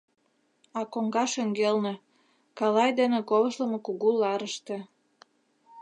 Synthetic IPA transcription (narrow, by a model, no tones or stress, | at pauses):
ɑkoŋɡɑʃĕŋɡelnĕ | kɑlɑjd̪enĕkoβəʃlə̆mɤ̆kuɣulɑɾəʃt̪ĕ